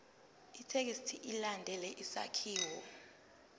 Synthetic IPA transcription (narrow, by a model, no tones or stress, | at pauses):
itʰek̬istʰiʔilandʱɛlɛʔisa̰kʰiːwɔ